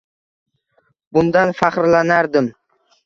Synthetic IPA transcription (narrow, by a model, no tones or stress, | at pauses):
bʊnd̪anfaχɾlanaɾd̪ɪm